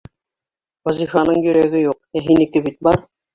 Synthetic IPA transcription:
wɑzʲifɑnɤɴjɵ̆ɾæɡɘjuq̚æɦinɘ̆kɘbit̪̚bɑɾ

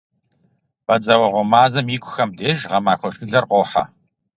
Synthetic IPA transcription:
b̥ɐt͡sʼɐwɐʁʷɔmaːzɐmjiːkʷʰʼʊxɐmdeːʒʁɐmaːxʷɔʂɡɨɮɐrqʷoːħa̰

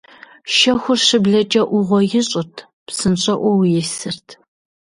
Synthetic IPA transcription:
ʃɐxʷʊrʂɨbɮɐt͡ʃʼɐʔʷʊʁʷɔjɪɕʼʊtʰ | psɨnɕʼɐʔʷɔwjɛsɨrtʰ

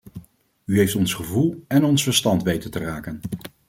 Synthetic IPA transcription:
yɦejftɔnsχəvulˠɛnɔnsfəɹstɑntʋejtəntəraːkən

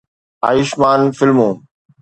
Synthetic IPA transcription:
aːjɪʃmaːnfɪlmũː

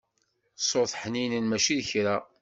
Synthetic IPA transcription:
sˤoθˤħninənmæʃiðçɾæ

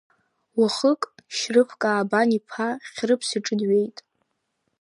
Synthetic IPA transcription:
waχəkʼʃrɨpʰkʼaːbanipʰaχʲrɨpʰsiʈ͡ʂʼɨdɥe̞jtʼ

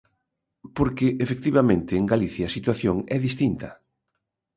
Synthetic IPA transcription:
poɾkɪʔefek̚t̪iβamẽnt̪ɪːŋɡaliθjɐːsit̪waθjoŋɛðist̪int̪ɐ

